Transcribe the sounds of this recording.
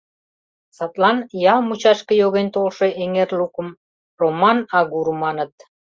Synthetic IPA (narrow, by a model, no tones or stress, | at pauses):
sɑt̪lɑnjɑlmut͡ɕɑʃkə̆joɣent̪olʃe̽ʔeŋerlukə̆m | romɑnɑɣuɾmɑnə̆t̪̚